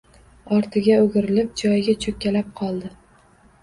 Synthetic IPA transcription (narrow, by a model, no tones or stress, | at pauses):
ɒɾt̪ʰɪɡʲaɵɡʲɪɾɪlɪp̚d͡ʒɒjɡʲat͡ʃʰɵkʲːalap̚qʰɒlˠd̪ɪ